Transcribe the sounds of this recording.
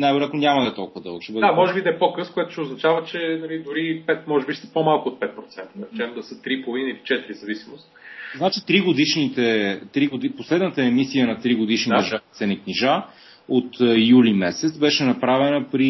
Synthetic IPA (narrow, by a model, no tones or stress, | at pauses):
najvɛoɾat̪nonʲamɐd̪ɐɛt̪ɔlˠkʊvəd̪ɤ̰lˠɡt͡ʃɛbɤd̪d̪amɔʒɛbid̪ɐɛpokɤskʊjɛt̪ʊ̥ʃɛoznɐt͡ʃavət͡ʃɛnɐlid̪ʊɾipɛt̪mɔʒɛbiʃst̪ɛ̥pomalˠkʊot̪̚pɛt̪̚pɾot̪sɛnt̪ənɐɾɛt͡ʃɛnnd̪ɐsət̪ɾipolˠvinəilit͡ʃɛt̪iɾizɐvisimost̪znat͡ʃit̪ɾiɡod̪iʃnit̪ɛt̪ɾiɡod̪iposlɛd̪nət̪əɛmisiənɐt̪ɾiɡod̪iʃniɛʒt̪sɛnikniʒa | ot̪julimɛsɛt̪sbɛʃɛnɐpɾavɛnəpɾi